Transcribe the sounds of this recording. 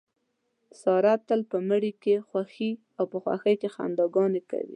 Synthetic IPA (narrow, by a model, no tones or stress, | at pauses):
sɑɾat̪ːəlpəməɽikexwaxi | awpəxwa̰xəjkexa̰nd̪ɑɡɑneka̰wḭ